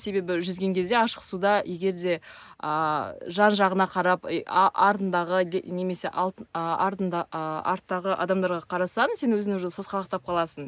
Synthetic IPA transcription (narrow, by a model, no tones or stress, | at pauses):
se̞be̞bɪʒʏzɡʲe̞ŋkʲʰe̞zd̪e̞ɑʃəqsud̪ɑje̞ɡʲe̞ɾd̪e̞ | əʒɑnʒɑʁənɑqʰɑɾɑpʔɑɾt̪ənd̪ɑʁəne̞me̞se̞ʔɑ̰lˠt̪əɑɾt̪ənd̪ɑəɑ̰ɾt̪ːɑʁəʔɑ̰d̪ɑmd̪ɑɾʁɑqʰɑɾɑsɑnse̞nwɵzɪnɪŋʒosɑzqɑlˠɑq̚t̪ɑp̚qʰɑlˠɑsən